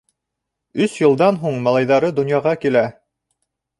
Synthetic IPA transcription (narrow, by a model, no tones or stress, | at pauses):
ɵsjɤ̆lˠd̪ɑnɦuɴmɑlˠɑjðɑɾɤd̪ŏnjɑʁɑkilæ